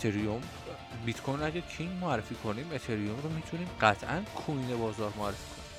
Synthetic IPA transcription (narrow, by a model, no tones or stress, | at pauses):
t̪ʰeɾiom | bit̪kʰojnæɟæɾcʰiŋɟmoæɾːe̞fiːkʰo̞niːmet̪ʰeɾijomɾomiːt̪ʰuniːmɢæt̪ʰʔænkʰuinebɒːzɒːɾmoæɾːefiːkʰoni